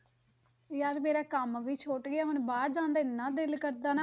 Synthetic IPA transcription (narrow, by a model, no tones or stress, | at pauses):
jaːɾmeːɾaːkəmʋiːt͡ʃʰoːʈɡɪaːɦʊnbaːɾd͡ʒãːnd̪aːɪnːãːd̪ɪlkəɾd̪aːnaː